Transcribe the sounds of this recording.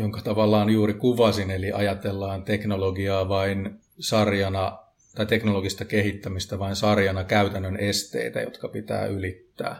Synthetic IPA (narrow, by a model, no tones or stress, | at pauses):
joŋkɑt̪ɑʋɑlːɑːnjuːrikuʋɑsineliʔɑjɑt̪elːɑːnt̪eknoloɡiɑːʋɑin | sɑrjɑnɑ | t̪ɑijt̪eknoloɡist̪ɑkehit̪ːæmist̪æʋɑinsɑrjɑnɑkæyt̪ænːønʔest̪ḛit̪æ̰jot̪kɑpit̪æ̰ːʔylit̪ːæ̰ː